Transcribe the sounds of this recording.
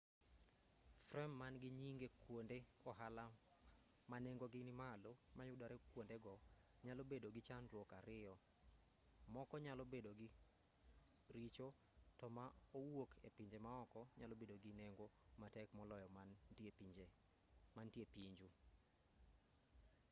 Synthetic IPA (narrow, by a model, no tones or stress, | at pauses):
frɛmːanɡɪɲiŋɡekwondeɔɦala | maneŋɡoɡɪnɪmalomajʊdaɾekwondeɡɔ | ɲalobedoɡɪt͡ʃandwɔkaɾɪɔ | mɔkɔɲalɔbedoɡɪ | ɾit͡ʃo | tɔmaowokʰepiɲd͡ʒemaɔkɔɲalobedoɡɪneŋɡo | matɛkmɔlɔjɔmid͡ʒ | mantjepiɲd͡ʒu